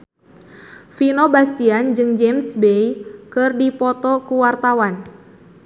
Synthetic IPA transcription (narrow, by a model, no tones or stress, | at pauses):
finɔbast̪iand͡ʒɨŋd͡ʒɛmsbejkɨrdipɔt̪ɔkuwart̪awan